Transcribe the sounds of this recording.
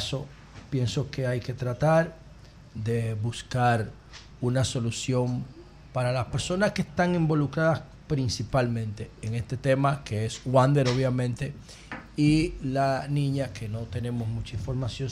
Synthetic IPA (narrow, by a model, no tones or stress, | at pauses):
so̞ | pje̞nso̞ke̞ajke̞t̪ɾat̪aɾ | d̪e̞βuskaɾ | unaso̞lusjo̞m | paɾalaspe̞ɾso̞naskest̪aŋembo̞lukɾaðas | pɾinsipalmẽ̞nt̪e̞ːŋe̞st̪e̞t̪e̞makeeswand̪e̞ɾo̞βjamẽ̞nt̪e̞ | ilanĩɲake̞no̞t̪e̞ne̞mo̞smũt͡ʃaiɱfo̞ɾmasjo̞ŋ